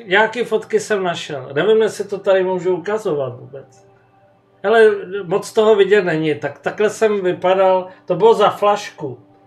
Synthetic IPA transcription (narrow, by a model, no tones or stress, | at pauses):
ɲakifo̞t̪kɪsɛmnaʃɛ̰lnɛvɪmjɛsɪt̪ot̪adɪmuːʒuukazovat̪vuːbɛt͡s | hɛlɛmot͡st̪oɦovɪɟɛt̪nɛɲɪt̪akt̪aklɛsɛmvɪpadalt̪o̞bɪlozaflaʃku